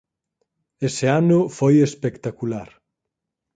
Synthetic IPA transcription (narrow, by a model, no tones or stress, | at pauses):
eseanʊfojespekt̪akulaɾ